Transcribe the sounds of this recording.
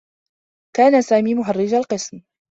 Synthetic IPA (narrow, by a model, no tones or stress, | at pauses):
kaːnasaːmiːmʊɦarːɪd͡ʒalqɨsm